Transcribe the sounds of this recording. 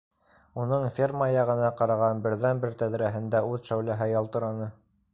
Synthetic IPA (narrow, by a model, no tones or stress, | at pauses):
unɤɴfʲermɑjɑʁɤ̆nɑqɑɾɑʁɑnbɘ̆ɾðænbɘɾt̪æðɾæɦɘ̆nd̪æʉðʃæwlæɦæjɑlˠt̪ɤ̆ɾɑnɤ